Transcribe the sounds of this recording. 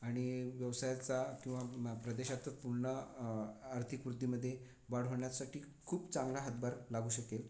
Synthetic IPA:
aɽ̃iʋjəʋsajat͡sakĩw̃ʋapɾəd̪eɕat̪ət̪puɾɳəː | ɾt̪ʰikʋɾud̪ʱːiməd̪ʱːje | ʋaɽ̤oɳjasaʈiː | kʰuːpt͡sãŋɡlaɦət̪baɾlaɡuːɕəkel

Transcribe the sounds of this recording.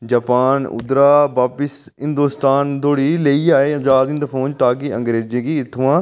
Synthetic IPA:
d͡ʒaːpaːnʊ̰d̪ɾaːbaːpɪs | ɦɪ̃nd̪uːst̪aːnd̪oːɽiːleiːaːeːəd͡ʒaːd̪ĩnd̪əpʰõːnd͡ʒt̪aːkɪə̰̃ŋɡɾeːd͡ʒeːkiːɪt̪ʰːʊʋãː

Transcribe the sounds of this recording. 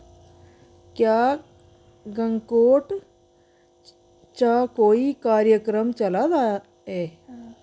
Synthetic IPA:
kja | ɡə̃ŋkoːʈ | t͡ʃakoːikaːɾjəkɾəmt͡ʃɐlad̪a | ɦe

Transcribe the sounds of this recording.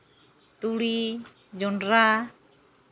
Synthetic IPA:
t̪uli | d͡ʒɔndɾa

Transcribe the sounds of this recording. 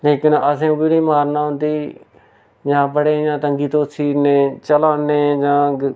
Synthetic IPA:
leːkɪnəsẽːubinĩːmaːɾnaːɦʊ̃nd̪iː | jãːbəɽeːjãːt̪əŋɡiːt̪oːsʰiːneːt͡ʃəlaːneːd͡ʒãːɡ

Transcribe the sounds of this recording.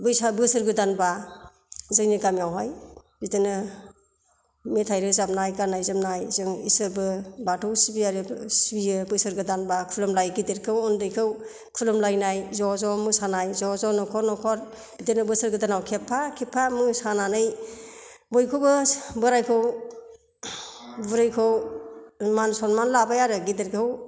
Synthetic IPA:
bɯjsabɯsɯɾɡɯdanba | zɯjniɡamjawɦaj | bitɯnɯ | metʰajɾɯzap̚najɡanajzamnajzɯŋisɯbɯbatʰɯwsibiaɾɯsibiɯbɯjsɯɾɡɯdanbakʰulɯmlajɡideɾkʰɯwɔndɯjkʰɯw | kʰulɯmlajnajzɔzɔmɯsanajzɔzɔnɔkʰɔɾnɔkʰɔɾ | ɡ̥ideɾnɯbɯsɯɾɡɯdanawkʰepʰːakʰepʰːamɯsananɯj | bojkʰɯwbɯbɯɾajkʰɯw | buɾɯjkʰɯw | mansɔnmanlabajaɾɯɡideɾkʰɯw

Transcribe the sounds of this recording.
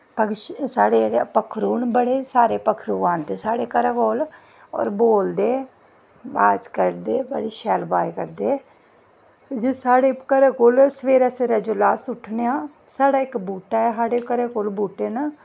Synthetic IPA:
pəɡʃsaːɽeːɽepəkʰɾuːnbəɽeːsaːɾeːpəkʰɾuːaːnt̪eːsaːɽeːkəɾaːkoːl | ɔ̰ːɾboːld̪eː | aːd͡ʒkəɾd̪eːbəɽiːʃɛːlbaːjkəɾd̪eː | d͡ʒesaːɽeːkəɾaːkoːlsəʋeːɾaːseːɾaːd͡ʒoːlaːsʊʈʰneːaː | saːɽaːɪkbuːʈaːɛːsaːɽeːkəɾeːkoːlbuːʈeːna

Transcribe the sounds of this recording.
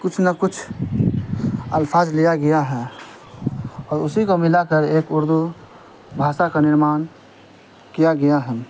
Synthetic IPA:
kʊt͡ʃʰnəkʊt͡ʃʰ | əlpʰaːzlijaɡɐjaɦɛ | ɔːɾʊsikomɪlakəɾeːkʊɾd̪u | bʱaːʃakanɪɾmaːn | kijaɡɐjaɦɛ

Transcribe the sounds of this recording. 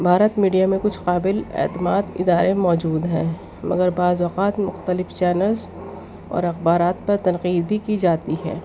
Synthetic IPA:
bʱaːɾət̪miːɖijamẽkʊt͡ʃʰqaːbɪlɛ̰ːt̪əmaːt̪ɪ̰d̪aːɾemɔːd͡ʒuːd̪ɦɛ̃ː | mɐɡəɾbaːzʋɐqaːt̪mʊxt̪əlɪft͡ʃɛːnəlz | ɔ̰ːɾɐxbaːɾaːt̪̚pɐɾt̪ɐ̃nqiːd̪̚bʱikid͡ʒaːt̪iɦɛ̰ː

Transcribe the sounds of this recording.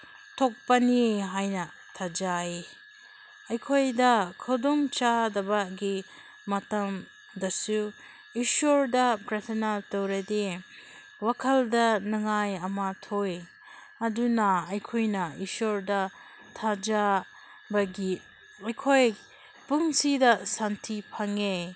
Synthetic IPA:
tʰok̚pɐniɦajnɐ | tʰad͡ʒai | ɐjkʰojdɐkʰɐdomt͡ʃadɐbɐɡi | mɐtɐm | dɐsu | isoɾdɐpɾetʰɐnatowɾɐde | wakʰɐldɐnɐŋajɐmatʰoj | ɐdunɐɐjkʰojnɐisoɾdɐ | tʰad͡ʒa | bɐɡi | ɐjkʰoj | puŋsidɐsantʰipʰaŋe

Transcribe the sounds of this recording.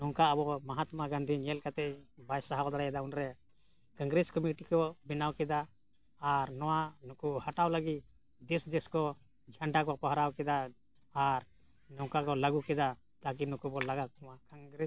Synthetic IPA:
nɔŋkaːbɔmaɦat̪maɡãnd̪ʱiɲɛlkat̪ɛʔbajsaɦad̪ɔɾaɛd̪aunɾɛ | kãŋɡɾɛskɔmiʈikɔbɛnawkɛd̪aː | ɾnɔwanukuhaʈawləɡit̪ | d̪ɛsd̪ɛskɔ | d͡ʒʱaɳɖak̬ɔpɔɦɾawkɛd̪aː | ɾ | nɔŋkakɔlaɡukɛd̪a | t̪ak̬inukubɔlaɡaɔmakaŋɡɾɛ

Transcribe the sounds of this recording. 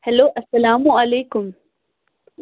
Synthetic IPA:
hɛloːʔɐsːɐlaːmuɐleːkʊm

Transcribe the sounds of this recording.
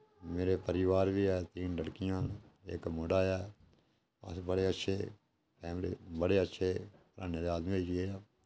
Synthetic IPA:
meːɾeːpəɾɪʋaːɾʋiːɛːt̪iːnɖəɽkɪjãːnɪ̰kmoɖaːjɛː | ə̰sbəɽeːətːʃʰeː | pɛːmɾḛːbəɽeːətːʃʰeːpəɾaːneːd̪eaːd̪mĩːd͡ʒieːaː

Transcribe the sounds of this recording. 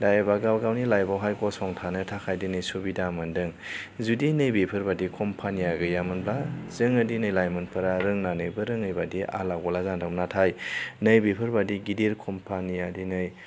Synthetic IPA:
dajbaɡawɡawnilajbawɦajkɔsɔŋtʰanɯtʰakʰajdinɯjsobidamɯndɯŋ | zudinɯjbepʰɯɾbadikʰɔmpʰanijaɡɯjamɯnblazɯŋɐdinɯjlajmɯnpʰɯɾaɾɯŋnanɯjbɯɾɯŋɯjbadiʔa̰laɡɔlazandamnatʰajnəjbepʰɯɾbadiɡideɾkʰɔmpʰanijadinɯj

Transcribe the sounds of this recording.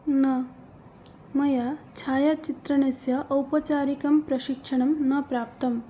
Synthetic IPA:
nɐ | mɐjat͡ʃʰaːjat͡ʃit̪ɾɐɳesjɐʔːwpɐt͡ɕaːɾikɐmpɾɐɕikʂɐɳ̃ɐmnɐpɾaːp̚t̪ɐm

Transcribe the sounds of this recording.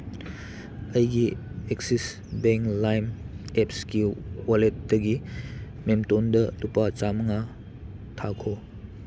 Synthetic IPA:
ɐjɡieksis | beŋlajmep̚skiwalet̚dɐɡi | memtondɐdupat͡ʃamɐŋa | tʰakʰo

